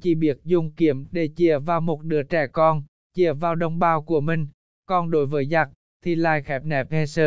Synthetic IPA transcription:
t͡ɕḭ˧˩ɓi˨˥ət̚zʊ˧˩ŋ͡mki˨˦əmɗe˧˩t͡ɕi˧˩əvaː˨˩wmo˨˩t̚ɗɨ˨˦ət͡ɕɛ˧˩kɔ˧n | t͡ɕi˧˩əvaː˨˩wɗə˧wŋ͡mɓaː˧wku˧˩əmï˨˩ŋ̟ | kɔ˧nɗo˨˦jvəː˨˦jza˨˩t̚ | t̪ʰi˧˩laː˧˨jxɛ˨˦˥p̚nɛ˨˩˥p̚he˧səː˧

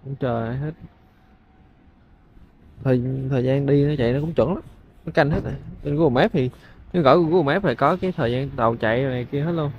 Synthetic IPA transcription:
kʊ̰˧˥ŋ͡mt͡ɕəː˨˩haː˧jɦe˦˥t̚ | t̪ʰəː˨˩jt̪ʰəː˨˩jzaː˧nɗi˧nɔ˨˦t͡ɕa̰˧˨jnɔ˨˦kʊ̰˧˥ŋ͡mt͡ɕwə̰˧˥nla˨˦m | nɔ˨˦ka˧nɦe˦˥t̚na˨˩jt͡ɕe˧nɣu˧˨˩mɛ˦˥p̚t̪ʰi˨˩nɨ˨˦ɣɔ̰˧˩˧ɣu˧˨˩ma˦˥p̚fa̰ː˧˩jkɔ˨˦kaː˨˦jt̪ʰəː˨˩jzaː˧nɗə˨˩wt͡ɕa̰˧˨jna˨˩ki˧əɦe˦˥t̚lu˧ən

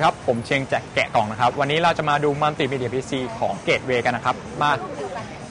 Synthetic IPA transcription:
kʰa˦˥pʰːo˩˦mt͡ɕʰi˧əŋt͡ɕɛ˨˩kːɛ̰˨˩kɔː˨˩ŋna˦˥kʰa˦˥p̚wa˧nːiː˦˥ɾa˧wt͡ɕa˨˩maː˧duː˧ma˧nt̪i˨˩miː˧di˧ɐ˧pʰi˦˥siː˧kʰɔː˩˦ŋkeː˨˩t̪̚weː˧ka˧nːa˦˥kʰa˦˥p̚maː˥˩k̚

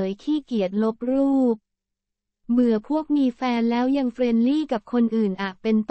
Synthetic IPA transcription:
jkʰiː˥˩ki˨˩ət̪̚lo˦˥p̚ɾuː˥˩p̚ | mɯ˨˩˦əpʰu˥˩ək̚miː˧fɛː˧nlɛː˦˥wja˧ŋfɾe˧nliː˥˩ka˨˩p̚kʰo˧nʔɯː˨˩nʔaː˨˩k̚pe˧nt̪

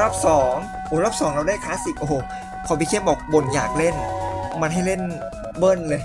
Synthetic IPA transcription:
ɾa˦˥˩p̚sɔː˩˦ŋ | ʔoː˨˧˦ɾaː˦˥˩p̚sɔː˨˦ŋɾaː˧wda˥˩jkʰaː˦˥si˨˩p̚ʔo˧˩o˨˩ | kʰa˨˩˦wpi˧kʰe˥˩mʔɔː˨˩k̚bo˧nja̰ː˨˩k̚le˥˩nma˧nɦa˥˩jle˥˩n | bɤː˥˩nlɤː˧j

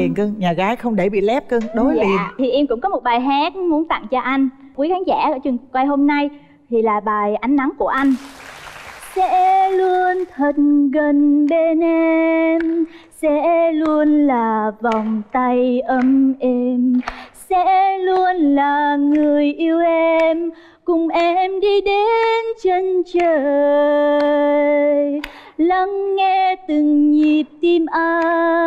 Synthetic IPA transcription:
i˨˩ənkəː˧ŋɲaː˨˩ɣaː˨˦jxə˧wŋ͡mɗe˧˩ɓḭ˧˨lɛ˦˥p̚kə˧ŋɗo˨˦i˨˧˩t̪ʰi˨˩ʔɛ˧mkʊ̰˧˥ŋ͡mkɔ˨˦mo˨˩t̚ɓaː˨˩jɦaː˨˦˥t̚mu˨˦ənt̪a̰˧˨ŋt͡ɕɔ˧ʔa˧jŋ̟ku˨˦jxaː˨˦ŋza̰ː˧˩˧t͡ɕɨ˨˩ŋ˩kwa˧jɦo˧mna˧j | t̪ʰi˨˩laː˨˩ɓaː˨˩jʔa˨˦jŋ̟na˨˦ŋku˧˩əʔa˧jŋ̟ | sɛ̰˧˥lu˧ənt̪ʰi˨˩k̚ɣə˨˩nɓe˧nʔe˧m | sɛ̰˧˥lu˧ənlaː˨˩va˨˩wŋ͡mt̪a˧jʔə˧mʔɛ˧msɛ̰˧˥lu˧ənlaː˨˩ŋɨ˨˩əjʔi˧əwʔɛ˧m | kʊ˧˩ŋ͡mʔɛ˧mɗi˧ɗe˨˧˦nt͡ɕe˧nt͡ɕəː˨˩ | j | la˧˥ŋːɛ˧t̪ɨ˨˩ŋɲi˨˩p̚t̪i˧mʔaː˧

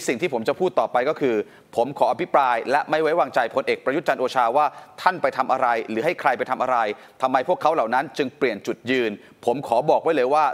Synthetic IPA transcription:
si˨˩ŋt̪iː˥˩po˩˦mt͡ɕa˨˩pʰuː˥˩t̪ːɔː˨˩pa˧jkɔː˥˩kʰɯː˧ | pʰo˩˦mkʰɔː˩˦˥ʔa˧pʰi˦˥pɾaː˧jlɛ˦˥ʔma˥˩jwa˦˥jwaː˧ŋt͡ɕa˧jpʰo˧nʔeː˨˩k̚pɾa˧jt̪̚t͡ɕa˧nʔoː˧t͡ɕʰaː˧waː˥˩t̪ʰa˥˩npa˧jt̪ʰa˧mʔa˧ɾa˧jɾɯː˩˦ɦa˥˩jkʰɾa˧jpa˧jt̪ʰa˧mʔa˧ɾa˧j | t̪ʰa˧mːa˧jpʰu˥˩əkʰːa˦˥wla˨˩wna˦˥nt͡ɕɯ˧ŋpli˨˩ənt͡ɕu˨˩t̪̚jɯː˧n | pʰo˩˦mkʰɔː˩˦bɔː˨˩k̚wa˦˥jlɤː˧jwaː˥˩

